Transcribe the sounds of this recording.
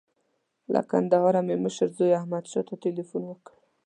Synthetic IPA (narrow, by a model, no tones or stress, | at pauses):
lʔa̰ka̰nd̪aɦɑɾameməʃəɾzojahmad̪ʃɔt̪atelifunwəkɽ